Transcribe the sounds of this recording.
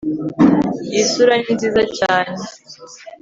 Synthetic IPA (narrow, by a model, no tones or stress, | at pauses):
jisuɾaɲinziːzat͡ʃaːne